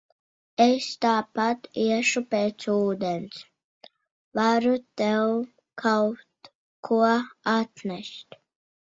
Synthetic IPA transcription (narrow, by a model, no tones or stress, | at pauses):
est̪aːpat̪iɛʃupʲeːt̪suːd̪ɛns | vaɾut̪ɛw | kʰawt̪ | kʰuɔat̪nʲɛst̪ʲ